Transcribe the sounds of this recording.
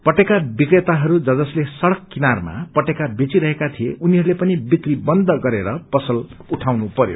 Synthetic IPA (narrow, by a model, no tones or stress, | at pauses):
pʌʈekabikret̪aɦʌɾud͡zʌd͡zʌslesʌɽʌkːinarma̰pʌʈekabet͡siɾʌɦekat̪ʰieʔuniɦʌɾulepʌnibit̪ribʌnd̪ʌɡʌɾeɾʌpʌsʌluʈʰawnupʌɾjo̰